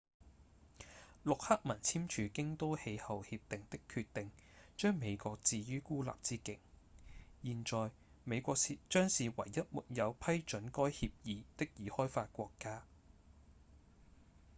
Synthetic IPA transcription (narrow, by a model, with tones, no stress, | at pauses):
lʊ˨k̚hɐ˥k̚mɐ˨˩nt͡sʰiː˥mt͡ʃʰyː˨˧kɪ˥ŋt̪o˥whe˨˧jhɐ˨whiː˧p̚t̪ɪ˨ŋt̪ɪ˥kʰːy˧t̪ɪ˨ŋt͡ʃœː˥ŋme˨˧jkʷɔː˧k̚t͡siː˨˧jyː˥kuː˥la̰ː˨p̚t͡siː˥kɪ˥k̚ | jiː˨nt͡ʃɔː˨j | me˨˧jkʷɔː˧k̚si˨t͡ʃœː˥ŋsiː˨wɐ̰˨˩jːɐ˥t̚mṵː˨˩t̚jɐ˨˧wpʰɐ˥jt͡ʃɵ˨˥nkɔː˥jhiː˧p̚jiː˨˧t̪ɪ˥k̚jiː˨˥hɔː˥jfaː˧t̚kʷɔː˧kːaː˥